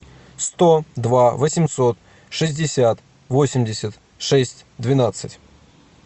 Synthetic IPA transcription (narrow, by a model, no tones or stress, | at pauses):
st̪od̪vavəsʲɪmso̞t̪ | ʂɨzʲdʲɪsʲat̪ | vo̞sʲɪmdʲɪsʲət̪ | ʂɛsʲtʲd̪vʲɪnat̪sɨ̰tʲ